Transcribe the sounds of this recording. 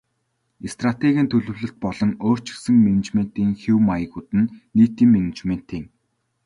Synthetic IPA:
est̪rat̪eɣʲiːnt̪ʰɵɮɵ̆wɮɘ̆ɬt̪̚pɔɮɞ̆ŋoːr̥t͡ɕɪ̥̆ksɘ̆ŋmenet͡ɕmen̥t̪iːŋxiwmajə̆kut̪ɘ̆nːiːt̪iːmmenet͡ɕmen̥t̪iːŋ

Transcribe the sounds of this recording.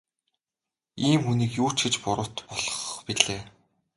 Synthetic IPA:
iːmxuniːkjuːt͡ɕɡɘ̆t͡ɕpʊɾʊ̆t̪pɔɮ̥ɞ̥̆χpiɮeː

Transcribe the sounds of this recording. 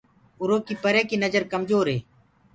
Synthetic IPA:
ʊɾoːkiːpəɾeːkiːnəd͡ʒəɾkəmd͡ʒoːɾɦeː

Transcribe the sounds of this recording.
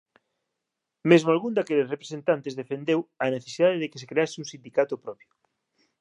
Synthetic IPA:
mezmoalɣund̪akelɪsrepɾe̥sent̪ant̪ezðefend̪ewɐneθe̥siðaðeðekɪ̥se̥kɾeasɪuŋsind̪ikat̪ʊpɾɔpjʊ̥

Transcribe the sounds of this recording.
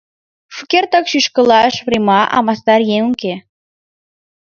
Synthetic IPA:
ʃukʲert̪əkʃyʃkə̆lɑəʃβrʲimɑʔɑ̰mɑst̪ɑrjeŋuŋke

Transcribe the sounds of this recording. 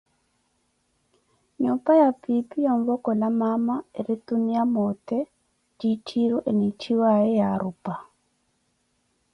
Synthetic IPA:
ɲɔpajapipijɔɱvɔkɔlamamaeɾit̪unijamɔtɛ | d͡ʒit͡ʃʰiɾuʔɛnit͡ʃʰiwaɛjaɾupa

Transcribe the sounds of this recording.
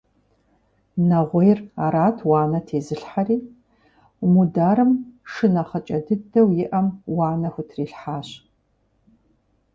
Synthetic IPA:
nɐʁʷejra̰ːɾaːtʰwɑːnɐtʰeːzɨɬħariː | mudaːɾɨmʂɨnɐχɐt͡ʃʼɐdɨdɐwjɪʔɐmwaːnɐxʷʊtʰriːɬħaːɕ

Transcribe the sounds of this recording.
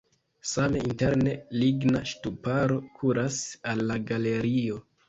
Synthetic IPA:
same̞inte̞ɾne̞liɡnaʃtupaɾo̞kʰuɾasalːaɡale̞ɾio̞

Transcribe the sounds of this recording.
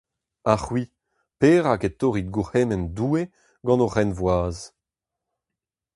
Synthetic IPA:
aχwi | peːʁaket̪oːʁid̪̚ɡuheːnɛnduːe | ɡɑ̃noʁɛnvwaːz

